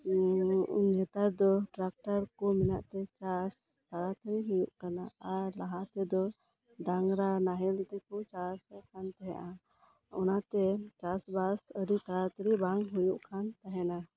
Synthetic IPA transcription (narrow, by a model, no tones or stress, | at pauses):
ɲɛt̪aɾd̪ɔʈɾak̚ʈaɾkɔmɛnaʔt̪ɛt͡ʃas | t̪aɾat̪ʰəɾiɦujuʔkanaaɾlaɦat̪ɛd̪ɔ | ɖaŋɾanaɦɛlit̪ɛkɔt͡ʃasɛkʰant̪ɛɦa̰ʔa | ɔnat̪ɛt͡ʃasbasəɾit̪aɾat̪ʰəɾibaŋɦujuʔkʰant̪aɦɛna